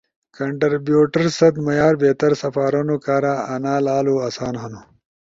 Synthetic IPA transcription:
kɐɳʈɐɾbjuːʈɐɾsɐd̪mɐjaːɾbeːt̪ɐɾsɐfaːɾonokaːɾaɐnaːlaːluɐsaːnɦɐnu

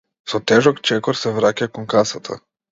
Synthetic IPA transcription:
sɔt̪ɛʒɔkt͡ʃɛkɔɾsɛvɾacakɔnkasat̪ʰa̰

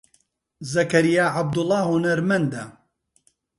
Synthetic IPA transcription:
zɐkɐɾijaːʕab̚d̪ʊlˠːɑːhʊnɐɾmɐnd̪ɐ

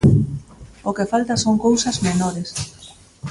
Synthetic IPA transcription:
okefalt̪ɐsoŋkowsɐzmenoɾes

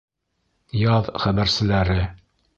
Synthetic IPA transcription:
jɑðχæbæɾsɘ̆læɾɘ

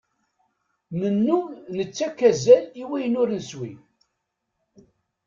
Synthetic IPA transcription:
nənːumnət͡sːækːæzæliwæjnʊɾnəswi

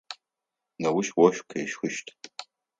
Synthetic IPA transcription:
nɐwʊʃwɔʃʷkʰɐʃxɨʃtʰ

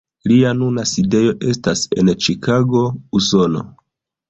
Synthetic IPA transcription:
lianunaside̞jo̞ʔe̞stase̞nt͡ʃikʰaɡo̞uso̞no̞̰

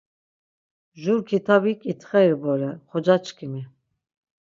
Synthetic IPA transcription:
ʒuɾkʰit̪ʰabikʼit̪ʰχɛjɾbɔɾɛχɔd͡ʒat͡ʃkʰimi

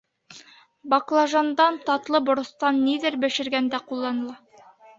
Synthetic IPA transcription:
bɑklˠɑʒɑnd̪ɑnt̪ɑt̪lˠɤbŏɾɤ̆st̪ɑnːiðɘɾbɘ̆ʃɘ̆ɾɡænd̪æqulˠːɑnɤ̆lˠɑ

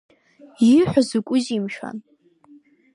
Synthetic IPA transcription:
iħʷᶣazukʷʼʊzimʃa̰n

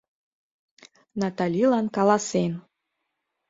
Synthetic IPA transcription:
nɑt̪ɑlʲilɑnkɑlɑsen

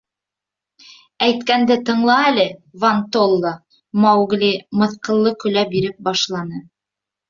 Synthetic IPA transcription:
æjt̪kænd̪ɘt̪ɤ̆ɴlˠɑælɘvɐnt̪olˠːo | mɑwɡlʲimɤ̆θqɤ̆lˠːɤkɵ̆læbiɾɘp̚bɑʃlˠɑnɤ

